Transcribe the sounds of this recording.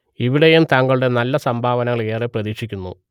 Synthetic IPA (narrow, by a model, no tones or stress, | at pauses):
iʋiɽejumt̪ɐŋɡɐɭuɽe̞nɐlːɐsɐmbʱaːʋɐnɐŋɐɭe̞ːreprɐðiːkʂikʲːunːṵ